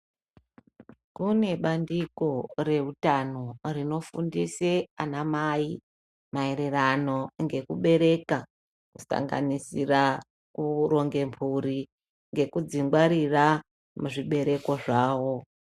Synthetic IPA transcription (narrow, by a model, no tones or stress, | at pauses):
kune̞ɓandiko̞re̞rutano̞rino̞fundiseanamai | mae̞ɾe̞rano̞ŋɡe̞kuɓe̞ɾe̞ka | ku̥sa̰ŋɡa̰nisira | kuɾo̞ŋɡe̞mpʰuɾi | ŋɡe̞kud͡ziŋɡwaɾira | muʐiɓe̞ɾe̞ko̞ʐaːwo̞